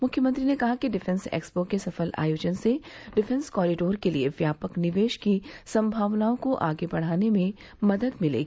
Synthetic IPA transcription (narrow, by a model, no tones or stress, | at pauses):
mʊkʰjəmə̃nt̪ɾinekɐɦakiɖɪfʰɛ̃nsḛːkspokesɐfəla̰ːjoːd͡ʒənseɖɪfɛ̃nskɔːɾɪɖoːɾkelieʋjaːpəknɪʋeːʃkisɐ̃mbʱaːʋnaːõkoʔaːɡebɐɽ̤aːnemẽ | mɐd̪əd̪mɪlḛːɡi